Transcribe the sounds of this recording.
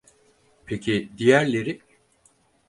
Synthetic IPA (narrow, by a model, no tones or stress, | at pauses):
pʰecʰid̪ijæɾlʲe̞ɾi